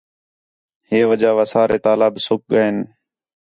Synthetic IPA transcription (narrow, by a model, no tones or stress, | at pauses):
heːʋəd͡ʒaːʋaːsaːɾeːt̪aːlaːbsʊk̚ɠəeːn